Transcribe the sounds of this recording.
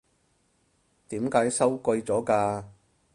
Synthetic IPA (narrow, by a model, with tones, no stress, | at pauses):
t̪iː˨˥mkaː˨˥jsɐ˥wkɵ˧jt͡sɔː˨˥kaː˧